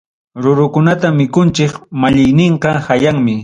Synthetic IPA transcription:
ɾʊɾʊkʊnat̪amɪkʊnt͡ʃɪkmaʎɪjnɪɴqɑhajaŋmɪ

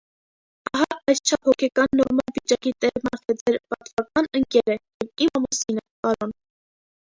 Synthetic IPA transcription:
ɑɦɑɑjst͡ʃʰɑphɔkʰɛkɑnːɔɾmɑlvit͡ʃɑkit̪ɛɾmɑχɛd͡zɛɾpɑt̪vɑkɑnəŋkɛɾəjɛvimɑmusinɛkɑɾɔn

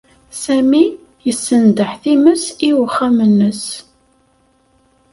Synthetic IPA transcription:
sæmi | jəsːənd̪əħθiməsiwəχːamənːəs

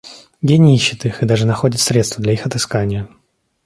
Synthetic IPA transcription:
ɡʲenʲɪiɕːɪt̪ixɨd̪aʐɨnɐxo̞dʲɪt̪sɾʲet̪st̪vəd̪lʲɐixɐt̪ɨskanʲɪjə

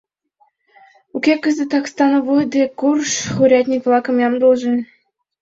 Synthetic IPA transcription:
ukʲekɘ̆zʲɘ̆t̪ɑkst̪ɑnŏvɤd̪ʲekurʂχuɾʲɑt̪ʲnʲikʲvlˠɑkɤ̆mʲjɑmd̪ulˠʒɘ̆nʲ

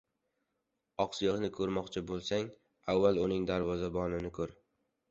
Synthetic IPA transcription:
ɒqsɪjɨʁnɪkʰɵɾmɒqt͡ʃʰabolˠsaŋ | avːalˠʊnɪŋd̪aɾvɒzabɒnɪnɪkʰɵɾ

